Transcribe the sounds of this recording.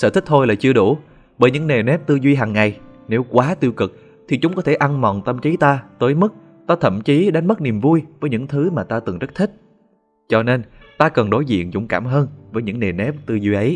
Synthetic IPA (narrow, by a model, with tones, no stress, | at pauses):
sə̰˧t̪ʰï˦˥k̟̚t̪ʰo˧jla̰ː˨˩t͡ɕɨ˧əɗu˧˩ | ɓəː˧˩jɲɨ̰˧˥ŋne˨˩nɛ˦˥p̚t̪ɨ˧zwi˧ɦaː˨˩ŋːa˨˩jne˨˦wkwaː˨˦t̪i˧əwkɨ˨˩k̚ | t̪ʰi˨˩t͡ɕʊ˨˦ŋ͡mkɔ˨˦t̪ʰe˧˩ʔa˧nmɔ̰˧˨nt̪ə˧mt͡ɕi˨˦t̪aː˧t̪əː˨˦jmɨ˦˥k̚ | t̪aː˧t̪ʰə̰˧˨mt͡ɕi˨˦ɗa˨˦jn̟mə˦˥k̚ni˨˩əmvu˧jvəː˨˦jɲɨ̰˧˥ŋt̪ʰɨ˨˦maː˨˩t̪aː˧t̪ɨ˨˩ŋzə˦˥t̚t̪ʰï˦˥k̟̚ | t͡ɕɔ˧ne˧n | t̪aː˧kə˨˩nɗo˨˦jzḭ˧˨ənzʊ̰˧˩ŋ͡mkaː˧˩mɦəː˧nvəː˨˦jɲɨ̰˧˥ŋne˨˩nɛ˦˥p̚t̪ɨ˧zwi˧ʔə˨˦j